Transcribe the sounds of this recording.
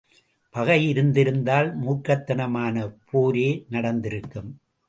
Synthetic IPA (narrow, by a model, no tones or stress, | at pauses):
pɐɣɐjɪɾɯnd̪ɪɾɯnd̪aːlmuːkːɐt̪ːɐnɐmaːnɐpʰoːɾeːnɐɽɐnd̪ɪɾɯkːɯm